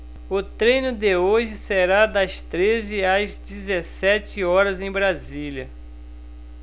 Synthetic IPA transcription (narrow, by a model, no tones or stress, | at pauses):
ʊt̪ɾẽjnʊd̪ɪoʒɪseɾad̪ɐst̪ɾezɪazd͡ʒizesɛt͡ʃɪɔɾɐzẽj̃bɾazilʲɐ